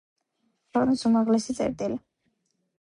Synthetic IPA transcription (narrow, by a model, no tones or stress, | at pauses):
kʰɛqʼnisumaʁlɛsit̪sʼɛ̰ɾt̪ʼili